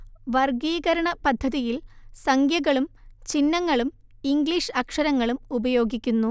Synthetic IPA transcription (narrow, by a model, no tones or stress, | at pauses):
ʋɐrɡiːɣɐɾɐɳɐpɐd̪ʱːɐðijilsɐŋɡjɐɣɐɭumt͡ɕinːɐŋːɐɭum | iŋɡɭiːʂɐkʂɐɾɐŋːɐɭumubɐjo̞ːɡikʲːunːu